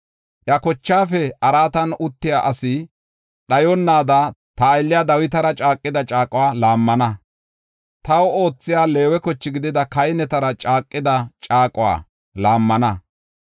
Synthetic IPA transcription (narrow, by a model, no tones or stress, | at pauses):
ʔjɐkɔt͡ʃːaːfɛɐɾaːt̪ɐnʊt̪ːɪjaːʔɐsɪ | ɗɐjɔnːaːd̪ɐt̪ɐːjlːɪjad̪ɐwɪt̪ɐɾɐt͡ʃʼaːkʼːɪd̪ɐt͡ʃʼaːkʼʊwaːlaːmːɐnɐ | t̪ɐwo̞ːt͡sːɪjaːle̞ːwɛkɔt͡ʃːɪɡɪd̪ɪd̪ɐkɐjnɛt̪ɐɾɐt͡ʃʼaːkʼːɪd̪ɐt͡ʃʼaːkʼʊwa̰ː | laːmːɐnɐ